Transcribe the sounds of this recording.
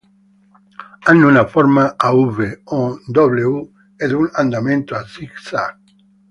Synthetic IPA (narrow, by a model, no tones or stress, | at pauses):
anːunafoɾmaauβeod̪oβleu | ɛðuŋãnd̪amẽnt̪oasiksa